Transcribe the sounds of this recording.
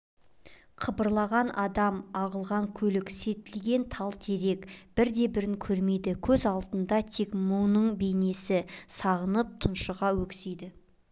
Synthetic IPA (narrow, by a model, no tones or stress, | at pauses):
qʰəbəɾlˠɑʁɑnʔɑd̪ɑmɑʁəlˠʁɑŋkʲʰɵlɪkse̞t̪ɪlɡʲe̞nt̪ʰɑlˠt̪ʰe̞ɾe̞kb̥ɪɾd̪e̞bɪɾɪŋkʲʰɵɾme̞jd̪ɪkʲʰɵzɑlˠd̪ənd̪ɑt̪ʰe̞kmuwnəɴbe̞jne̞sɪsɑʁənəp̚t̪ʰʊnʃəʁɑwɵksejd̪ɪ